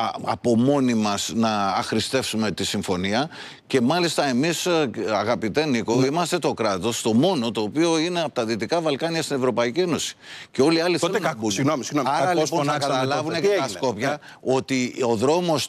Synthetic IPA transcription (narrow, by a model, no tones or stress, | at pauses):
ɐ̰po̞mo̞nimɐsnɐːxɾist̪e̞fsume̞t̪isiɱfo̞niɐ | ce̞mɐlist̪ɐe̞misɐɣɐpit̪e̞niko̞imɐst̪e̞t̪o̞kɾɐt̪o̞st̪o̞mo̞no̞t̪o̞ːpio̞ineɐpot̪ɐðit̪ikɐvɐlkɐniɐst̪ine̞vɾo̞pɐicie̞no̞si̥ce̞o̞liɐliθelunɐuɣnomisinomɐɾɾɐlisponɐkɐt̪ɐlɐɐvunekɐɐsko̞pçɐ | o̞t̪io̞ðɾo̞mo̞s